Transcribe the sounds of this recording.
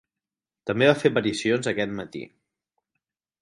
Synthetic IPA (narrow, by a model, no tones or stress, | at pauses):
t̪əmbeβafepəɾisionzəkɛt̪mət̪ḭ